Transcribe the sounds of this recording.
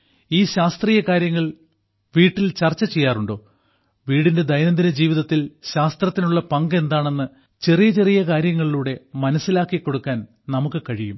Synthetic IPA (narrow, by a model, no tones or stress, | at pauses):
iːɕaːst̪riːjɐkaːɾjɐŋːɐɭ | ʋiːʈːilt͡ɕɐrt͡ɕːɐt͡ɕe̞jːaːruɳɖo̞ː | ʋiːɽinde̞d̪ɐjnɐnd̪inɐd͡ʑiːʋiðɐt̪ːilɕaːst̪rɐt̪ːinuɭːɐpɐŋɡe̞nd̪aːɳe̞nːɨ | t͡ɕe̞rijɐt͡ɕe̞rijɐkaːɾjɐŋːɐɭiluːɽe̞mɐnɐsːilaːkːikːo̞ɽukːaːn | nɐmukːɨkɐɻijum